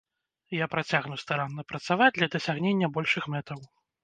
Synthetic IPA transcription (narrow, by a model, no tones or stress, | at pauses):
japɾat͡sʲaɣnuwst̪aɾanːɐpɾɐt̪savad͡zʲd̪ʲlʲɐd̪ɐsʲaɣnʲenʲːɐbɔlʲʂɨxmɛt̪ɐw